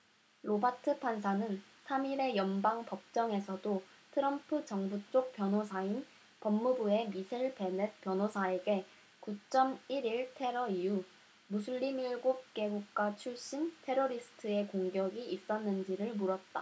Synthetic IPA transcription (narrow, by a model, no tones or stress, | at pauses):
ɾobatʰɯpʰans̬ʰanɯn | sʰamiɾe̞jʌnbaŋpʌp̚t͡ɕ͈ʌŋe̞sʰʌdo | tʰɯɾʌmpʰɯt͡ɕʌŋbut͡ɕ͈ok̚p͈jʌnɦosʰain | pʌmːubue̞misʰeɭpepjʌnɦosʰae̞ɡe̞ | kut͡ɕ͈ʌmiɾiɭtʰe̞ɾʌiju | musʰuʎːimiɭɡop̚k͈e̞ɡuk̚k͈wat͡ɕʰuɭɕ͈intʰe̞ɾoɾisʰɯ̥tʰɯe̞koŋɡjʌɡiːs͈ʌnːɯnd͡ʑiɾɯɭmuɾʌt̚t͈a